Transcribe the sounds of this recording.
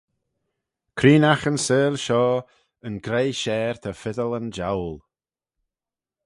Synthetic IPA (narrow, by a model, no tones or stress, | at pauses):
kʰɾiːnaxənsəːlʃɔː | ənɡɾejʃɛːɹt̪ʰafɪðələnd͡ʒa̰wl